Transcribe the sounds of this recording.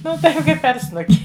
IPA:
ˈnʊ ˈtɐɪp ˈkɐɪp pʲɛr ˈsnʊkʲɪ

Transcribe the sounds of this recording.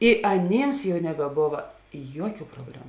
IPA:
ɪ ɐˈnʲeːms jɛʊ nʲɛbʲɛˈboːʋɐ ˈjuɔˌkʲuː proːbʲˈlʲæːmʊ

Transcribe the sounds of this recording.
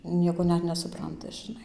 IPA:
ˈnʲiɛkoː ˈnʲɛt nʲɛsʊˈprɐntɐ ʒʲɪˈnɐɪ

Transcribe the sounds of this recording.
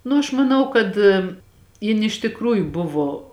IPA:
ˈnʊ ɐʃ mɐˈnɐʊ kɐt ˈjɪn ɪʃ tʲɪkˈruːjʊ ˈbʊʋoː

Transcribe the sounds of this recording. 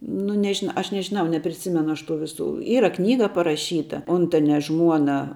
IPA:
nʊ nʲɛˈʒʲɪn ˈɐʃ nʲɛʒʲɪˈnɐʊ nʲɛpʲrʲɪˈsʲɪmʲɛnʊ ˈɐʃ tuː ˈʋʲɪˌsuː ˈiːrɐ ˈknʲiːɡɐ pɐrɐˈʃʲiːtɐ ˈʊntɐnʲɛ ˈʒmuɔnɐ

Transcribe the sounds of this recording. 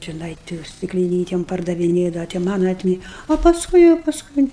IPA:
t͡ʃʲɛˈnɐɪ tʲɪ sʲtʲɪklʲɪˈnʲiːtʲɛm pɐrdɐʋʲɪˈnʲeːdɐʋɐ tʲɪ ˈmɑːnɐ ɐtʲˈmʲɪ oː pɐsˈkʊɪ jɛʊ pɐsˈkʊɪ

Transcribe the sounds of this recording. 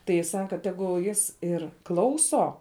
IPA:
tɐɪ ˈjɪ ˈsɑːkɐ ˈtʲæːɡʊlˠ ˈjɪs ˈɪr ˈklˠɐʊsoː

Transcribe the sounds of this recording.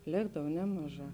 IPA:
ˈlʲeːɡdɐw ˈnʲæːmɐˌʒɑː

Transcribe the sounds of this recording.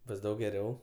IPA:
ˈbʊs ˈdɐʊk ɡʲɛˈrʲɛʊ

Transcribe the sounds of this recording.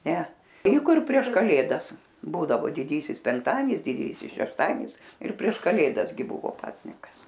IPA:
ˈnʲɛ ɛɪ ˈkʊr pʲrʲiɛʃ kɐˈlʲeːdɐs ˈbuːdɐʋoː dʲɪˈdʲiːsʲɪs pʲɛŋkˈtɑːdʲiɛnʲɪs dʲɪˈdʲiːsʲɪs ʃʲɛʃˈtɑːdʲiɛnʲɪs ɪr pʲrʲiɛʃ kɐˈlʲeːdɐs ɡʲɪ ˈbʊʋoː ˈpɑːsʲnʲɪkɐs

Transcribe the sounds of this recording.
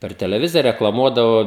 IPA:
pʲɛr tʲɛlʲɛˈʋʲɪzʲɪjɛ rʲɛklˠɐˈmuɔdɐʋoː

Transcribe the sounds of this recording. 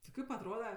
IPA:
tʲɪ ˈkɐɪp ɐtˈroːdɐ

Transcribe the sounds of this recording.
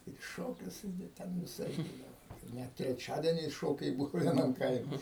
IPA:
ɪr ɪ ˈʃoːkʲʊs ɪ dɐ ˈtʲɛn ʋʲɪˈsɐɪp ˈbuːdɐʋoː ˈnʲɛt tʲrʲɛˈt͡ʃʲæːdʲiɛnʲɛɪs ˈʃoːkʲɛɪ ˈbʊʋʊ ʋʲiɛˈnɐm ˈkɐɪmʲɛ

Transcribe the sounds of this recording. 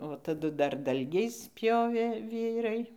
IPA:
tɐˈdʊ dɐr ˈdɐlʲɡʲɛɪs ˈpʲjoːʋʲeː ˈʋʲiːrɐɪ

